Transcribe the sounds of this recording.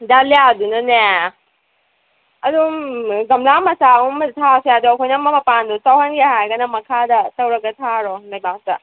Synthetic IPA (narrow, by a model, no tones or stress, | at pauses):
dalejadunɐne | ɐdumɡɐmlamɐsaumɐtʰasejaduɐkʰojnɐmɐmɐpandutawɦɐnɡeɦajɡɐnɐmɐkʰadɐtɐwɾɐɡɐtʰaɾɔmejbak̚tɐ